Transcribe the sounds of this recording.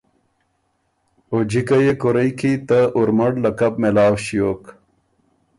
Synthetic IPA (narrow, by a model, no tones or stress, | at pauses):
od͡ʑikɐjekoɾɐjkʰit̪aʔuɾmɐɽlɐkɐb̚melaːwɕijoːk